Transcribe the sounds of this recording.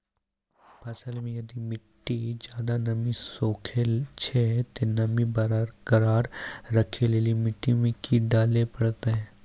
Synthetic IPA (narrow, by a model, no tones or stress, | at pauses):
pɐsəlmẽjɐd̪imɪʈːid͡ʒjaːd̪anɐmisoːkʰet͡ʃʰet̪enɐmibɐɾɾkɐɾaːɾːɐkʰeleːlimɪʈːimẽkiɖaːlepɐɽt̪eɦɛ̃ː